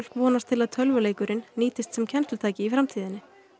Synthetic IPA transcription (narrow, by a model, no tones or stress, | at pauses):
l̥kvɔːnast̪ʰɪlaðt̪ʰœlvʏleːjkʏɾɪnːiːt̪ɪst̪sɛmcʰɛnst̪ʏt̪ʰaːjcɪifɾamt̪ʰiːðɪnːɪ